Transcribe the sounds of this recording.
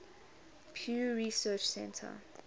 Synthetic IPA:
pʰjuːɹisɜːt͡ʃsɛ̃ntʰə̰

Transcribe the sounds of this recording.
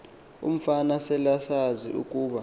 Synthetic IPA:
ṵm̩fanasɛlasazḭʔṵkʼuːɓa

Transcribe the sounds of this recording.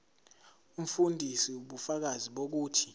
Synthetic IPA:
um̩fundʱisiuɓufak̬aziɓok̬uːtʰi̥

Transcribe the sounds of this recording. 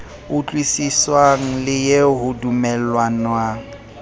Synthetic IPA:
ʊt͡ɬʼwisiswaŋ̩lɪjeɦʊdumɛlwanwaːŋ̩

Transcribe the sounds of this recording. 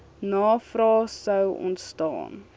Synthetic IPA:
nɑːfrɑːsəwɔ̰ntstɑ̰ːn

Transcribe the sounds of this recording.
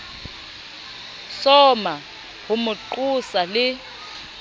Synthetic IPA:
sɔma | hʊmʊǃusalɪ

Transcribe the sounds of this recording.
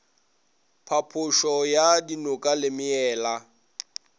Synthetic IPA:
pʰapʰʊʃɔjadinʊkʼalɪmɪɛːla

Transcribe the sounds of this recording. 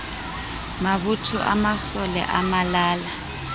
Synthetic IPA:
maβutʰuʔa̰masɔlɛ̰ʔamalaːla

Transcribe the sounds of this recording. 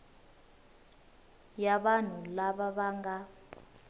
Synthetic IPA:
jaɓan̤ulaɓaɓaŋɡa

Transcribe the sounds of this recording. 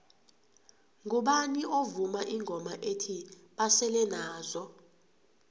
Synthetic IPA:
ŋʱuɓaniʔovumaʔiŋʱɔmaʔetʰi | ɓasɛlɛnaːzɔ

